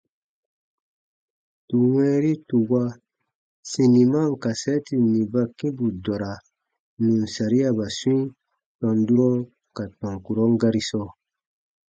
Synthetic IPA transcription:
tu˨wɛ̃ː˦ɾi˦tu˨wa˦ | sĩ˨ni˨ma˦˨ŋ˨ka˨sɛ˦ti˨nĩ˨ba˦kĩ˦bu˨dɔ˨ɾa˨ | nũ˨nsa˨ɾi˦a˨ba˨swĩ˦ | tɔ̃˨ndu˦ɾɔ̃˦ | ka˨tɔ̃˨ŋku˨ɾɔ̃˦ŋɡa˦ɾi˦sɔ˦

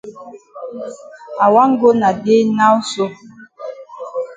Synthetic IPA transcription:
a˨wa˦ŋ˦ɡo˦na˨de˦na˦wu˦so˦

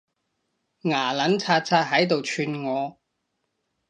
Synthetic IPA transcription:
ŋaː˨˩lɐ˨˥nt͡sʰaː˧t̚t͡sʰaː˧t̚ɦɐ˨˥jt̪o˨wt͡ʃʰyː˧nŋɔː˨˧

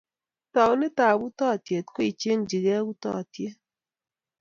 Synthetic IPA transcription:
tɔ˨wnɪ˦ta˨bu˦tɔ˦˨tje˨t̚ko˦i˨t͡ʃe˦nd͡ʒi˨ɣɛ˦ɣu˦tɔ̰˦˨tje˦

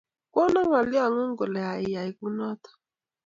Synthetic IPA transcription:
kɔ˦na˦ŋa˨li˦a˦˨ŋu˦ŋɡɔ˨lɛ˨a˨i˨ja˨i˨ku˦nɔ˦t̪ḁ˨

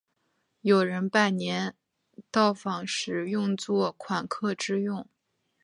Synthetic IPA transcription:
jo˨˩ʊɻə˧˥npa˥˩nnjɛ˧˥n | t̪ɑ˥˩ʊfɑ˨˩ŋʂɻ̩˧˥jʊ˥˧ŋt͡swɔ˥˩kʰwa˨˩nkʰɤ˥˧ʈ͡ʂɻ̩˥˧jʊ˥˩ŋ

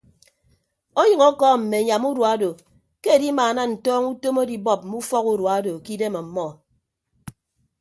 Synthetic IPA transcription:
o˦jɨ˨ŋɔ˦kɔ˦m̩˨me˨ɲa˨mu˦dwa˦do˨ | ke˦e˨di˦maː˨na˦n̩˨tɔː˦ŋu˦to˦mo˦di˨bɔ˦˨p̚m̩˨mu˦fɔ˦ku˦ɾwa˨˦do˨ki˦de˦ma˨m̩˨mɔ˦

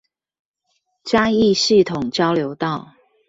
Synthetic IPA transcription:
t͡ɕja˥˦i˥˨si˥˨t̪ʰʊ˨˩ŋt͡ɕjɑ˦ʊljo˧˦ʊt̪ɑ˥˨ʊ

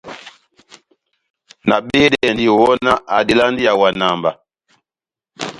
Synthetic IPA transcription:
na˨ɓe˦dɛ˦˨n˨di˨wɔ˦na˦ʔa˨di˨la˦ndi˦ja˨wa˨na˨mba˨

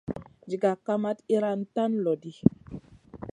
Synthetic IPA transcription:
d͡ʒi˨ɡa˨ka˦ma˦ti˦ɾa˦nta˦nlo˨di˦

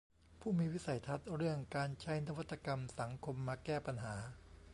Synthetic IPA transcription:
pʰuː˥˩miː˧wi˦˥sa˨˩˦jt̪ʰa˦˥t̪̚ɾɯ˥˩əŋkaː˧nt͡ɕʰa˦˥jna˦˥wa˦˥t̪ːa˧ka˧msa˩˦ŋkʰo˧mːaː˧kɛː˥˩pa˧nɦaː˩˦

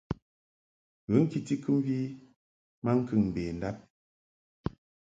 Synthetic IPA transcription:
ɣə˨˦ŋ̩˦ki˦ti˦kʰɨ˦m˦vi˦ | ma˦ŋ̩˦kɨ˦˨ŋm̩˨beː˨n̩˨da˦p̚

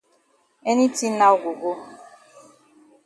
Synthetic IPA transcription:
e˦ni˦ti˦na˦ʊ˦˨ɡʷu˨ɡo˦

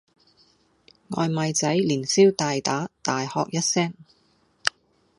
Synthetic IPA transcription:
ŋɔ̰ː˨˧jmɐ˨˧jt͡sɐ˨˥jliː˨˩nsiː˥wt̪aː˨jt̪aː˨˥t̪aː˨jhɔ̰ː˨k̚jɐ˥t̚sɛː˥ŋ

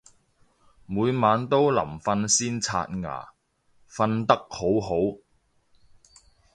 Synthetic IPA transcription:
muː˨˧jmaː˨˧nt̪o˥wlɐ̰˨˩mfɐ˧nsiː˥nt͡sʰa̰ː˧t̚ŋa̰ː˨˩ | fɐ˧nt̪ɐ˥k̚ho˨˥wɦo˨˥w

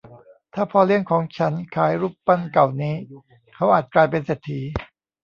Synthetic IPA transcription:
t̪ʰaː˥˩pʰɔː˧li˥˩əŋkʰɔː˩˦ŋt͡ɕʰa˦˥nkʰaː˩˦jɾuː˥˩ppa˥˩nka˨˩wniː˦˥ | kʰa˦˥wʔaː˨˩t̪̚klaː˧jp̬e˧nseː˨˩t̪ʰːiː˩˦

